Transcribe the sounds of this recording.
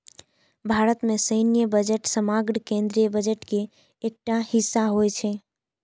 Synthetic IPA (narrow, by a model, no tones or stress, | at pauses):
bʱaɾət̪mesəɪnijəbəd͡ʒeʈsəmaɡɾkẽnd̪ɾijəbəd͡ʒeʈkeː | k̚ʈahisːaɦojt͡ʃʰɛ